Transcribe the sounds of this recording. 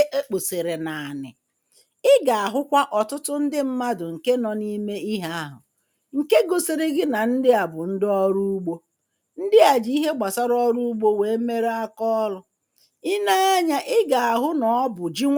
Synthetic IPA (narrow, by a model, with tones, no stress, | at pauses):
e˦k͡po˨se˨ɾe˨na˨a˨nɪ̰˨ | ɪ˦ɡa˨a˨ɦʊ˦kʷa˦ʔɔ˨tʊ˦tʊ˦n̩˦dɪ˦m̩˦ma˦dʊ˨ŋ̩˨ke˦nɔ˨ni˦me˦i˦ɦa˦a˦ɦʊ˨ | ŋ̩˨ke˦ɡo˨se˨ɾe˦ɡɪ˦na˨n̩˦dɪ˦a˨bʊ˨n̩˦dɪ˦ɔ˦ɾu˦u˦ɡ͡bo˦ | n̩˦dɪ˦a˨d͡ʒi˨˦i˦ɦe˦ɡ͡ba˨sa˦ɾɔ˦ɾu˦u˦ɡ͡bo˦we˨˦me˦ɾe˦a˦kɔ˦ɔ˦lʊ˦ | ɪ˦na˦a˦ɲa˦ʔɪ˦ɡa˨a˨ɦʊ˦nɔ˨ɔ˦bʊ˨d͡ʒi˦ŋʷ